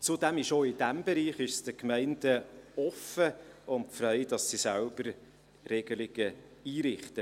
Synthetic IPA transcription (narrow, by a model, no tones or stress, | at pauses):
t͡sudæmɪʃoːɪd̥æmbɛɾiːχɪʃsd̥əkmɛɪnd̥əɔfəʊntfɾœɪdɑsːisælb̥əɾ | rɛɡ̥əlɪɡ̥ə | iːɾɪχtə